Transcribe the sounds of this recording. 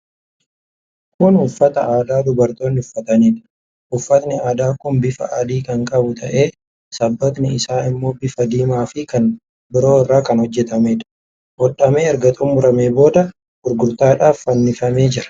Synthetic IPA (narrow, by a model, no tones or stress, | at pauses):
kʊnʊfːɐt̪ɐaːd̪aːd̪ʊbɐɾt̪o̞ːnːɪʊfːɐt̪ɐniːᶑ̪ɐ̥ | ʔʊfːɐt̪nɪaːd̪aːkʊnbɪfɐ̰ʔad̪iːkɐŋkʼɐbʊt̪ʰɐ̰ʔe̞ː | sɐbːɐt̪nɪɪsaːɪmːo̞ːbɪfɐd̪iːmaːfɪkɐn | bɪɾo̞ːɪrːaːkɐnhɔd͡ʒːɛt̪ɐmeːᶑ̪ɐ̥ | ʔɔᶑɐme̞ːɛɾɡɐt̪ʼuːmʊɾɐme̞ːbo̞ːd̪ɐ | ɡ̥ʊɾɡʊɾt̪aːᶑaːfːɐnːɪfɐme̞ːd͡ʒɪɾɐ̥